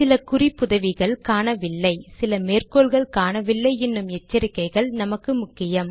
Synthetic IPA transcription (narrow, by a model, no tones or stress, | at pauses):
sɪlɐkʊrɪpːʊðɐʋɪɣɐɭkaːnɐʋɪlːɐɪsɪlɐmeːrkoːɭɣɐɭkaːnɐʋɪlːɐɪɛnːɯmɛt͡ʃːɐɾɪkːɐɪɣɐɭnɐmɐkːɯmʊkːɪjɐm